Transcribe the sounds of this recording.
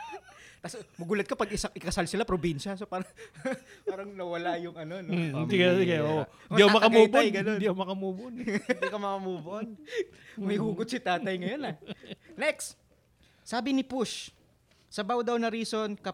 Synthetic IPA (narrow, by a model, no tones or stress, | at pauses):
t̪asmɐɡuːlɐt̪̚kɐpɐɡɪsaʔɪkɐsalsɪlapɾobinʃɐsopaːɾɐŋpaːɾɐŋnɐwɐlajʊŋɐno̞noɪnd̪ikɐkɐo | ɪmiʔɐwmɐkɐmuːb̪ojɡɐnond̪iʔɐwmɐkɐmuːbonnd̪ikɐmɐkɐmuːbʊʔon | mɐjhuːɡʊd̪̚sɪt̪aːt̪ɐjŋɐjonɐnɛks | saːbɪnɪpʊʃ | sɐbawd̪ɐwnɐɾiːso̞nkɐ